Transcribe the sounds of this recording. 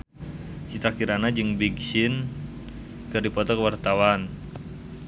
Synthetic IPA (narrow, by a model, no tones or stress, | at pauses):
t͡ʃit̪akiɾanad͡ʒɨŋbiɡsɪn | kɨrdipɔt̪ɔkəwart̪awan